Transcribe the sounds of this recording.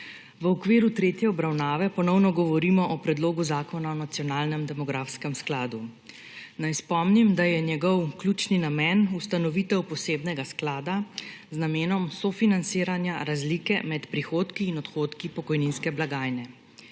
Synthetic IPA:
ʋəɔkʋiːɾut̪ɾeːt̪jɛɔbɾawnaːʋɛpɔnɔwnɔɡɔʋɔɾiːmɔʔɔpɾɛd̪loːɡuzaːkɔnaɔnat̪sijɔnaːlnɛmd̪ɛmɔɡɾaːfskɛmsklaːd̪u | najspɔmnimd̪ajɛnjɛɡɔwkluːt͡ʃninamɛnust̪anɔʋiːt̪ɛwpɔseːbnɛɡasklaːd̪aznameːnɔmsɔfinant̪siːɾanjaɾazlikɛmɛt̪pɾixoːt̪kiːnɔt̪xoːt̪kipɔkɔjninskɛblaɡaːjnɛ

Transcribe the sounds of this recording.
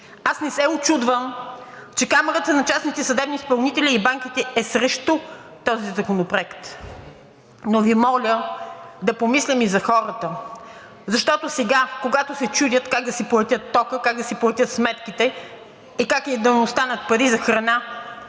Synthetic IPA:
asnɛsɛot͡ʃud̪vəmt͡ʃɛkamɛɾət̪ənɐt͡ʃasnit̪ɛsɐd̪ɛbnispɐlˠnit̪ɛlʲiːbaŋk̟it̪ɛɛsɾɛʃt̪u | t̪ɔzizɐkonopɾoɛkt̪ | novimɔlʲəd̪ɐpomislʲɛmizɐxɔɾət̪ə | zɐʃt̪ɔt̪osɛɡakoɡat̪osɛt͡ʃud̪ʲət̪kak̚d̪ɐsiplˠɛt̪ʲət̪ːɔkəkaɡ̚d̪ɐsiplˠɛt̪ʲət̪smɛt̪kit̪ɛ | ikak̪id̪ɐnɛost̪anɐt̪̚pɐɾizɐxɾɐna

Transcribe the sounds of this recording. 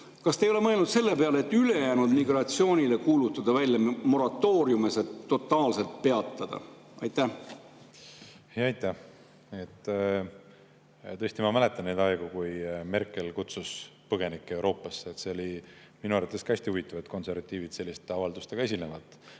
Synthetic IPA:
kɑst̪ejoe̞mɤe̞lnud̪se̞lːe̞pe̞ɑleet̪ːˑyle̞jæːnud̪miɡrɑt̪sio̞ːnʲile̞kuːlut̪ːˑɑd̪̥ɑvælʲːjɑmo̞ɾɑt̪ːo̞ːɾjumeset̪ːo̞t̪ːˑɑːlse̞lt̪̚pe̞ɑt̪ːˑɑd̪̥ɑ̰ | ɑjt̪ːæh | hjɑɑjt̪ˑːæh | et̪ː | t̪ɤ̞sʲt̪imɑmæle̞t̪ːˑɑnnːed̪ɑeɡ̥ukujme̞rkːˑe̞lkut̪suspɤɡ̥e̞nikːee̞wɾo̞ːpːˑɑsːeet̪se̞o̞li | minuɑɾvɑt̪ːˑe̞skæsʲt̪iuvit̪ːˑɑvɑt̪ko̞nse̞ɾvɑt̪ːˑiːvid̪̥se̞lʲːist̪eɑvɑld̪ust̪eɡɑe̞s̬ʲilnevɑt̪ːˑ

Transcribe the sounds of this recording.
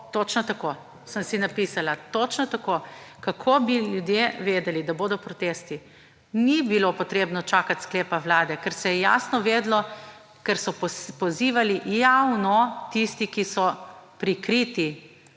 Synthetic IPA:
t̪ot͡ʃnat̪akoː | səmsinapiːsalat̪ot͡ʃnɔt̪akoːkakʰoːbiljud̪jeʋeːd̪ɛlid̪aboːd̪ɔpɾɔt̪eːst̪i | nibilopɔt̪ɾeːbnɔt͡ʃaːkat̪ʲskleːpawlaːd̪ɛkɛɾsɛjɛja̰ːsnɔʋeːd̪lɔ | kɛɾsɔpɔziːʋalijawnɔt̪ist̪ikisɔpɾikɾiːt̪i

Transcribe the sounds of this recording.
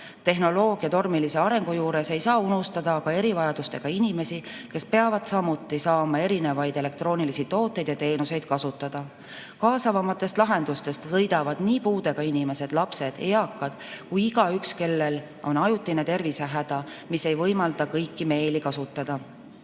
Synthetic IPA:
t̪e̞ɦno̞lo̞ːɡ̥jɑt̪o̞rmilise̞ɑɾe̞ŋɡ̥ujuːɾe̞se̞jsɑːunust̪ɑd̪̥ɑkɑe̞ɾivɑjɑd̪ust̪e̞ɡ̥ɑinime̞sike̞spe̞ɑvɑd̪̥sɑmut̪ːˑisɑːmɑe̞ɾine̞vɑjd̪̥e̞le̞k̚t̪ro̞ːnilisit̪o̞ːt̪ːˑejd̪̥jɑt̪e̞ːnuse̞jd̪̥̚kɑsut̪ːˑɑd̪̥ɑ | kɑːsɑvɑmɑt̪ːˑe̞st̪lɑɦe̞nd̪̥ust̪e̞st̪sɤjd̪̥ɑvɑd̪̥niːpuːd̪̥e̞ɡ̥ɑinime̞se̞d̪̥lɑpse̞d̪̥ejɑkːˑɑd̪̥kujiɡ̥ɑykske̞lːe̞l | o̞nɑjut̪ːˑinet̪e̞rviseɦæd̪̥ɑ | mise̞jvɤjmɑld̪ɑkɤjkːime̞ːlikɑsut̪ˑːɑd̪̥ɑ

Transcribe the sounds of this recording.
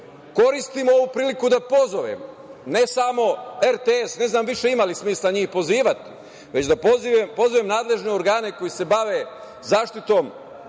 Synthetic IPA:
ko̞ɾist̪imooʋupɾiːlikud̪apo̞zoʋḛm | ne̞samo̞eɾt̪eesne̞znaːmʋiʃe̞imalismiːslaɲiːxpo̞ziːʋat̪i̥ | ʋe̞t͡ɕd̪apoziʋempo̞zoʋemnaːd̪le̞ʒne̞o̞ɾɡaːne̞ko̞jise̞baʋe̞ | zaːʃt̪it̪o̞ːm

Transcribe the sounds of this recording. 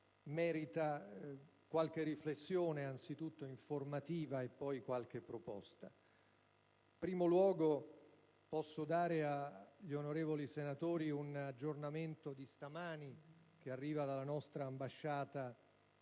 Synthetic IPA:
mɛːɾit̪a | kwalk̟erːiflesːjoːneant̪sit̪ut̪ːoiɱformat̪iːvaepːɔjkwalk̟epːɾopɔ̰st̪a | pɾiːmolwɔːɡo | pɔsːod̪aːɾeaʎionoɾeːvolisenat̪oːɾiunad͡ʒːornament̪od̪ist̪amaːnik̟earːiːvad̪alːanɔst̪ɾaːmbaʃːaːt̪a

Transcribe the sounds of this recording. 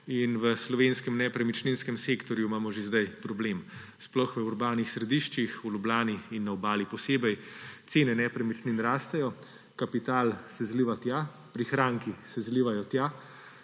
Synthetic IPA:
inʋəslɔʋenskɛmnɛpɾɛmit͡ʃninskɛmseːkt̪ɔɾjuimaːmɔʒezd̪ajpɾɔbleːm | splɔxʋəuɾbaːnixsɾɛd̪iʃt͡ʃixulʲublaːniinːaɔbaːlipɔseːbɛjt̪seːnɛnɛpɾɛmit͡ʃninɾaːst̪ɛjɔ | kapit̪aːlsɛzliʋat̪ja | pɾixɾaːŋkisɛzliʋajɔt̪ja

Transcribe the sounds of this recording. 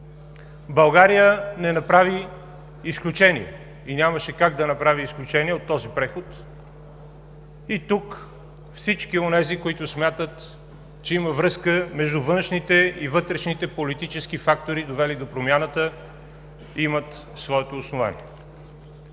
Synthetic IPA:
bɐlˠɡaɾijənɛnɐpɾaviː | sklʲut͡ʃɛnḭɛ̰ | inʲaməʃɛkaɡ̚d̪ɐnɐpɾaviisklʲut͡ʃɛniɛot̪ːɔzipɾɛxʊt̪ | it̪uk | fsit͡ʃkionɛzikoit̪ʊsmʲjat̪ət̪ | t͡ʃɛiməvɾɤskəmɛʒd̪ʊvɤnʃnit̪ɛivɤt̪ɾɛʃnit̪ɛpolit̪it͡ʃɛsk̟ifakt̪oɾid̪ovɛlid̪opɾomʲjanət̪ə | imət̪ | svɔɛt̪oːsnova̰nḭɛ

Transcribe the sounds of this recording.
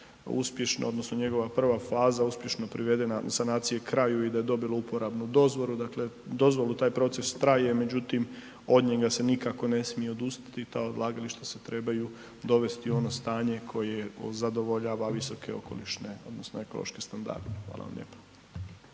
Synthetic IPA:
ṵspje̞ʃno̰o̞d̪no̞sno̞ɲe̞ɡo̞ʋapr̩ʋafaːzauspje̞ʃno̞pɾiʋe̞d̪e̞nasanaːt̪sije̞kɾajuid̪aje̞d̪o̞bilˠoupoɾabnud̪o̞zʋo̞ɾud̪akle̞d̪o̞zʋo̞lut̪aːjpɾo̞t̪se̞st̪ɾajeme̞d͡ʑut̪im | o̞d̪ɲeɡase̞nikako̞ne̞smijeod̪ust̪ḁt̪it̪aːod̪lˠaːɡaliʃt̪aset̪ɾe̞baju | d̪o̞ʋe̞st̪io̞no̞st̪aːɲe̞kʰo̞jezad̪o̞ʋo̞ʎaːʋaʋisokeo̞̰ko̞̰liʃneo̞̰d̪nosnoe̞ko̞lˠo̰ʃkest̪and̪a̰ɾd̪exʋa̰ːlˠa̰ʋa̰mʎʔḛpḁ

